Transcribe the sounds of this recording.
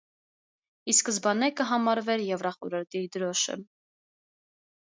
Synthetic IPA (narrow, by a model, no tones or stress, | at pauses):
iskəzbɑnɛkəɦɑmɑɾvɛɾjɛvrɑχɔɾəɾt̪id̪əɾɔʃə̰